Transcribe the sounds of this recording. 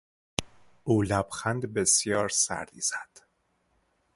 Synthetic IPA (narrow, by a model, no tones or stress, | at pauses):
ʔuːlæb̥xænd̪besjɒːɾsæ̰ɾd̪iːz̥æd̪̥